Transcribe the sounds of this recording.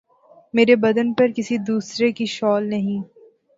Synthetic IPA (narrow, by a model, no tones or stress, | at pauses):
meːɾebɐd̪ənpɐɾkɪsid̪uːsɾekiʃɔːlnɐɦĩː